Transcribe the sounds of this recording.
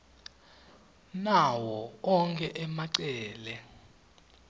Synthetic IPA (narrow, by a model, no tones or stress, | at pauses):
nawɔɔŋkʰʼɛʔɛmaǀɛːlɛ